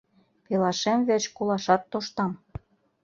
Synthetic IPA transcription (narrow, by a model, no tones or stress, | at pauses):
pelɑʃemvet͡ɕkolɑʃɑt̪ːoʃt̪ɑm